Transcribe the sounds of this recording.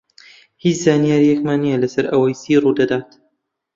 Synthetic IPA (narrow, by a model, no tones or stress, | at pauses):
hit͡ʃzaːnijaːɾijɛkmaːnːijɛɐlɐsɐɾʔɐwɐjsiːruːd̪ɐd̪aːt̪